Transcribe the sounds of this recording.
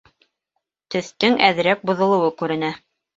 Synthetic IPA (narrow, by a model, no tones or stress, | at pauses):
t̪ɵ̆θt̪ɘŋæð̆ɾæk̚bŏðŏlˠɤ̆wɤkʉɾɘ̆næ